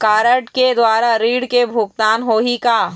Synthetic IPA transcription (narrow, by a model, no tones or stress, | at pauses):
kaːɾəʈked̪waːɾaɾiːɽkebʱʊk̚t̪aːnɦoːɦikaː